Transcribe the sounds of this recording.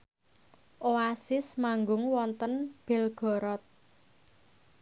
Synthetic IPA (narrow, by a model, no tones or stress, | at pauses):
ʔoasɪsmaŋɡʊŋwɔnt̪ənb̥ɛ̤lɡ̥ɔ̤ɾɔt̪̚